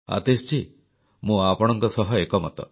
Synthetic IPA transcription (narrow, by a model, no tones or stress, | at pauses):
a̰t̪est͡ʃʰi | mũapɔɽ̃ɔŋkɔsɔɦɔekɔmɔt̪ɔ̰